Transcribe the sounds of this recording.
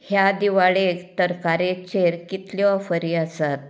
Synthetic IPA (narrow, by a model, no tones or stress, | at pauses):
hjad̪iʋaɭet̪əɾkaɾet͡ɕeɾkit̪ljɔfəɾiːəsat̪̚